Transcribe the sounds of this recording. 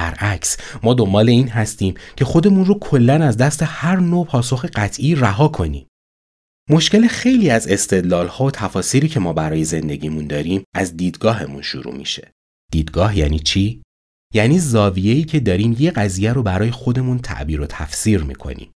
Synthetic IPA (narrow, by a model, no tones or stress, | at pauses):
æɾʔæcsmɒːd̪o̞mbɒːle̞iːnɦæst̪iːmcʰe̞xo̞d̪e̞munrokʰo̞lːænæzd̪æst̪e̞hæɾnoːpʰɒːso̞xeɢæt̪ʰʔiræɦɒːkʰo̞nḭːm | mo̞ʃkce̞lexe̞jliːæze̞st̪e̞d̪lɒːlhɒːot̪ʰæfɒːsiːɾiːcʰe̞mɒːbæɾɒːje̞ze̞nd̪e̞ɟiːmund̪ɒːɾiːmæzd̪iːd̪ɡɒːɦe̞mṵnʃṵɾṵmḭʃe̞̥̰ | d̪̥iːd̪ɡɒːɦjæ̰ːniːt͡ʃʰiː | jæniːzɒːvije̞iːcʰe̞d̪ɒːɾiːmje̞ɢæzijæɾobæɾɒːje̞xo̞d̪e̞munt̪ʰæ̰ʔbiːɾot̪ʰæ̰fsiːɾmḭːkʰo̰nḭm